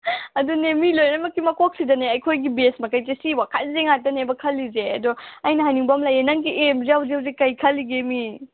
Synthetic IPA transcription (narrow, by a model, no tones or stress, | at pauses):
ɐdunemilojnɐmɐkːimɐkok̚sidɐneɐjkʰojɡibesmɐkajtesiwakʰat̚zeŋatːɐnebɐkʰɐlːizeɐdɔɐjnɐɦajniŋbɐmlajenaŋkiʔemzijawzeawzekɐjkʰɐlːiɡemi